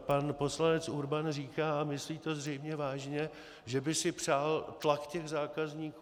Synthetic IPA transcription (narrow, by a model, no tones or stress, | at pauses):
panpo̞slanɛt͡suɾbanriːkaːmɪsliːt̪o̞zrɛjmɲɛvaːʒɲɛ | ʒɛbɪsɪpr̥aːlt̪lakcɛɣzaːkazɲiːkː